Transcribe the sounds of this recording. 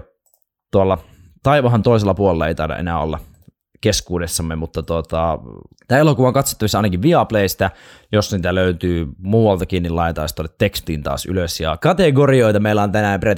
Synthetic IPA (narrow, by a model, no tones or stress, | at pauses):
t̪uolːɑ | t̪ɑiʋɑɦɑnt̪oˑis̬elːɑpuolelɑḛijt̪ɑrdɑ̰ʔḛnæːo̰lːɑ̰ | keskuːdesːɑmːemut̪ːɑt̪uot̪ɑt̪æːelokuʋɑoŋkɑt̪so̥t̪ːɑʋisːɑɑˑinɑkiʋʋiɑpleist̪æ | josniːt̪æløyt̪yːmuːwɑlt̪ɑkiːnːilɑˑet̪ɑist̪olːet̪ːekst̪iːnt̪ɑ̰ːsy̰løsjɑkɑt̪eɡoɾioit̪ɑmeilːˑæont̪ænæˑːmpret̪